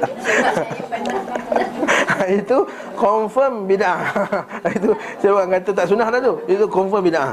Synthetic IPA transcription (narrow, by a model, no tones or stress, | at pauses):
it̪u | kɔɱfəmbidã | it̪u | sabɡaŋkat̪at̪aʔsunahdat̪uit̪ukɔɱfəmbidãŋ